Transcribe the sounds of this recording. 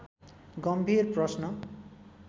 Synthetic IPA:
ɡʌmbʱirprʌsnʌ

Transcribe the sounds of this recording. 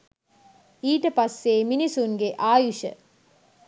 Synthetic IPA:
iːʈəpasːeːminisuŋɡeʔaːjuʃə̰

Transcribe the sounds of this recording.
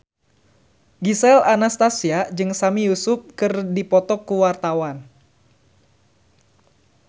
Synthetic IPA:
ɡisɛlanast̪asiad͡ʒɨŋsamijusʊp̚kɨrdipɔt̪ɔkuwart̪awan

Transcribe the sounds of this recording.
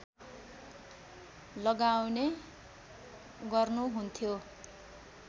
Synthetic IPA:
lʌɡawne | ɡʌrnuɦunt̪ʰjo

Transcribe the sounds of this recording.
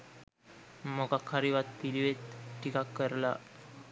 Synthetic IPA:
mokakʰːaɾiʋat̪̚piliʋet̪ʈːikakːəɾla̰

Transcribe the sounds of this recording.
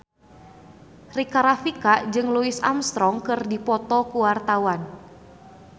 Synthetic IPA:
rikaɾafikad͡ʒɨŋluisa̰mst̪ɾɔŋkɨrdipɔt̪ɔkuwart̪awan

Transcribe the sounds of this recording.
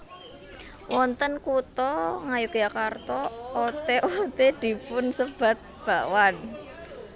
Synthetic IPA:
wʔɔnt̪ənkut̪ɔŋajʊkjakart̪ɔot̪eʔot̪ed̪̥i̤pʊnsəb̥a̤t̪̚b̥a̤ʔwan

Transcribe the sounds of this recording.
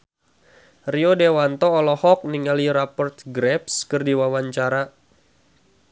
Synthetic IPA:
riodewant̪ɔːlɔhɔk̚niŋaliɾapɔrt̪̚ɡɾɛpskɨrdiwawaɲt͡ʃaɾa

